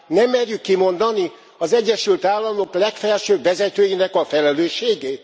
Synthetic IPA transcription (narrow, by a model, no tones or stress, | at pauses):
nɛmːɛrjykːimo̞nd̪ɒni | ɒzɛɟːɛʃylt̪aːlːɒmo̞klɛkfɛlʃøːbvɛzɛt̪øːjinɛkɒfɛlɛløːʃːeːɡeːt̪